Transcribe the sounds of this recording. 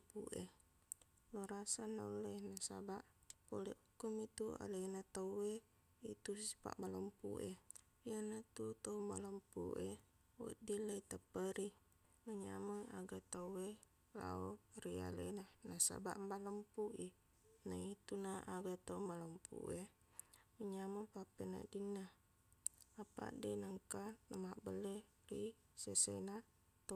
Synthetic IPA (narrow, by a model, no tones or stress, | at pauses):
pṵʔe | loɾasanaulɛnasa̰baʔpolɛ̰ʔukumit̪ua̰lenat̪auwe | it̪usi̥pa̰ʔmaləmpṵʔe | ijanat̪ut̪aumaləmpṵʔe | wṵdilait̪apəɾi | maɲamaaɡat̪awe | la̰oɾia̰lə̰nanasa̰ba̰ʔmbaləmpuʔi | nait̪unaaɡat̪omaləmpṵʔe | məɲaməpapena̰dina | apa̰ʔdenaŋkanəmaʔbəle | ri | sesena | t̪o